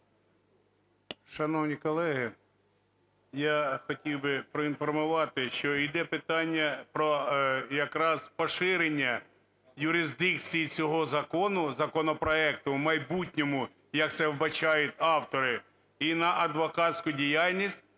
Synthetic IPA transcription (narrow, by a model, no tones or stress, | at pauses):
ʃɐnɔwnʲikɔlˠɛɦɪ | jaxɔtʲiwbɪpɾɔinfɔrmʊʋɑt̪ɪʃt͡ʃɔid̪ɛpɪt̪ɑnʲːɐpɾɔjɐkɾɑz̥pɔʃɪɾenʲːɐ | jʊɾɪzd̪ɪkt͡sʲijit͡sʲɔɦɔzɐkɔnʊzɐkɔnɔpɾɔɛkt̪ʊmɐjbutʲnʲɔmʊ | jɐk̚t̪sɛwbɐt͡ʃɑjʊt̪ʲɑwt̪ɔɾɪ | inɐʔɐd̪ʋɔkɑtʲsʲkʊdʲijalʲnʲisʲt̚ʲ